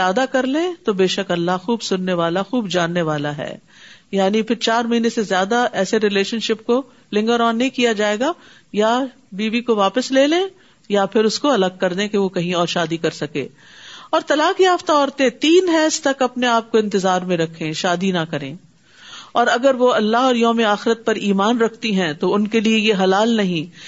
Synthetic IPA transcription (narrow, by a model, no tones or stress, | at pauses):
aːd̪akɐɾlẽt̪obeːʃɐkɐlːaɦxuːbsʊnːeʋaːlaxuːbd͡ʒaːnːeʋaːlaɦɛ̰ː | jaːnipʰɪɾt͡ʃaːɾmɐɦiːnesezjaːd̪aʔɛːseɾɪleːʃənʃɪpko | lɪ̃ŋɡəɾɔːnːɐĩkijad͡ʒaːeːɡa | ja | biːʋikoʋaːpəsleːlẽː | japʰɪɾʊskoɐləɡ̚kɐɾd̪ẽkeʋokɐɦĩɔːɾʃaːd̪ikɐɾsɐkḛ̃ː | ɔːɾt̪ɐlaːkjaːft̪aɔːɾt̪eɛ̃t̪iːnɦɛːst̪ɐkɐpneaːp̚koɪ̃nt̪ɪzaːɾmẽɾɐkʰːẽːʃaːd̪inɐkɐɾḛ̃ː | ɔːɾɐɡəɾʋoɐlːaɦɔːɾjɔːmeaːxɪɾət̪̚pɐɾiːmaːnɾɐkʰt̪iɦɛ̃t̪oʊnkeliejeɦɐlaːlnɐɦĩ